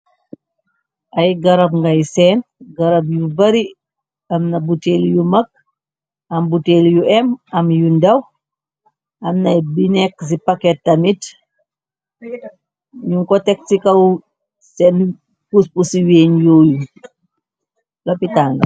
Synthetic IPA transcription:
ʔɐjɡɐɾɐbŋɡɐjsɛːnɡɐɾɐbjubɐɾi | ɐmnɐbuteːljumɐk̚ | ɐmbuteljuɛmɐmjundɐw | ʔɐmnɐjbinɛks̬ipakɛt̚ːɐmit | ɲuŋkɔtɛk̚sikɐw | sɛn | puspusiweːnjɔːju | lɐpitaŋɡɐ̰

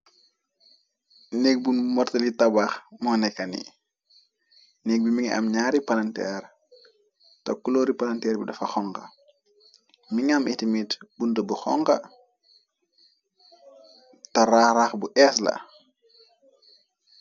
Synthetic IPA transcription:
nɛk̚bunmɔrtɐlitɐbaxmɔnɛkːɐnḭ | nɛk̚bimiŋʔa̰mɲaːɾipalɐntɛɾ | tɔkːulɔɾipalɐntɛːɾbidɐfɐxɔŋkɐ̰ | miŋɐmʔitimitbuntəbuxɔŋkɐ | tɐɾaɾaxbuʔɛslɐ̰

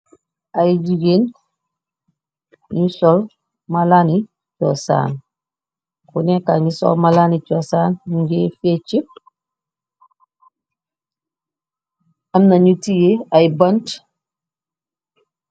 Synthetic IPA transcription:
ʔajid͡ʒiɡen | ɲusɔl | malani | t͡ʃɔsa̰ːn | kunẽkaɲisɔ̰lmalanit͡ʃɔsaːnnuɲɟefet͡ʃip̚ | amnaɲutijeajibɐnt

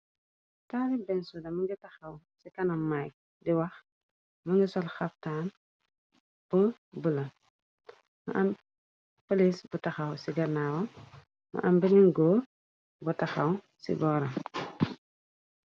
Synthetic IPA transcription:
taːɾibɛnsudɐmɐŋɡitɐxɐw | sikɐnɐmːaj | diwɐx | mɐŋɡisɔlxɐp̚taːn | b̥u | bulɐ | mɐ̰ʔɐm | polisbutɐxɐwsiɡɐnaːwɐ | mɐ̰ʔɐmbininɡoː | butɐxɐw | sḭbɔːɾɐm

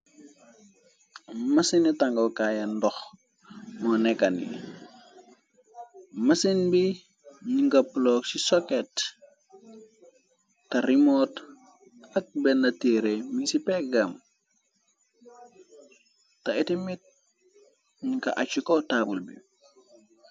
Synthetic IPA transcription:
mɐsinitaŋɡokajandɔx | nɔnekanḭ | mɐsinbi | ɲiŋkaploːksisoket | tɐɾimot | ɐk̚benatiɾemisipekɡam | taitimit̚ | ɲiŋka̰ʔa̰t͡ʃukotaːbulbḭ

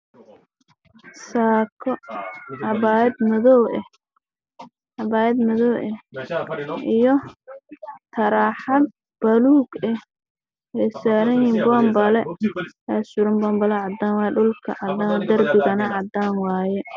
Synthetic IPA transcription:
saːkʰɔɐβaːɛd̪mɔðɔwɛ | ʔɑβaːjɛd̪mɐðɔwʔɛ | ʔijɔ | t̪ʰɐɾaːħɑd̪̚ | b̥ɐluːɡɛh | ɛjsaːɾɐnjiːmbɔːmbɐlɛɛsʊɾɪmbɐːmbɐlɛʕɑd̪aːnwɑːjɛɖʊlkʰɐ̰ʕɑd̪aːnd̪ɐrbɪɣɐnɐʕɑd̪aːnwɑːjɛ

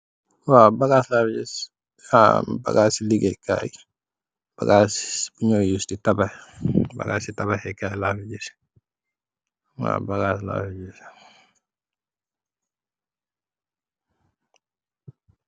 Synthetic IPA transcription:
wabaɡaslafd͡ʒɛs | a̰ba̰ɡasiliɡeka̰j | b̥a̰ɡasb̥uɲojusditabahba̰ɡasitabahɛkajlafid͡ʒis | wa̰baɡasla̰fid͡ʒis

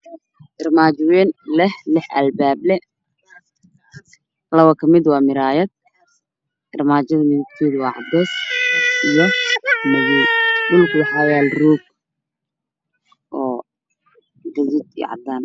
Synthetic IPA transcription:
ʔɪrmaːt͡ʃwɛːnlɛhlɪħʔɐlbaːblɛ | lɐβɐkʰɐmɪd̪wɑːmɪɾaːjɐd̪̚ | ʔɪrmaːt͡ʃɐðɐmɪðɪb̚t̪ʰɛːðwɑːʕɑ̰b̪ɛːsʔijɔmɐɣuːɖʊlkʰʊwɐħaːwjaːlrɔːɡ̚ | ʔɔː | ɡɐðɪd̪ḭʕɑ̰d̪aːn

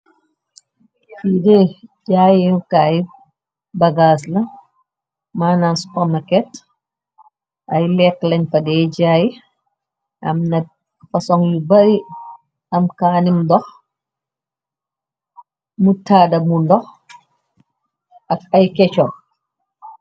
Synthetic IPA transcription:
fidɛd͡ʒaːjikaji | bɐɡaːslɐ | maːnansu̥pɔmnɐkɛt | ʔɐjlɛklɐɲfɐdɛɟaːji | ʔɐ̰mnɐ | fɐsɔŋjubɐɾi | ɐmkaːnimdɔx | mutːaːdɐmundɔx | ʔɐk̚ɐjkɛt͡ʃɔ

